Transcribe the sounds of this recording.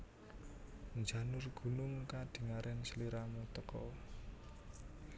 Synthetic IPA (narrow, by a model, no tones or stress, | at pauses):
nd͡ʒä̤nʊrɡ̥ṳnʊŋkad̪̥i̤ŋaɾʔɛnsəliɾamut̪əkɔ